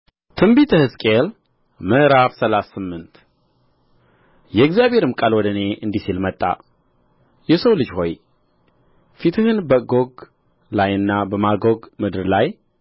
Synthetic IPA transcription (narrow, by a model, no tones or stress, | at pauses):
t̪ʰɨmbit̪ʰɨhɨskʼel | mɨʔɾaβsəlasːɨmːɨnt̪ | jɛɡzijaβhe̞ɾɨmkʼalwɔd̪əne̞ʔɨnd̪isilmət̪ʼːa̰ | jɛsəwlɨd͡ʒho̞j | fit̪ʰɨhɨnbəɡoɡ | lajɨnːabəmaɡoɡmɨd̪ɨɾlaj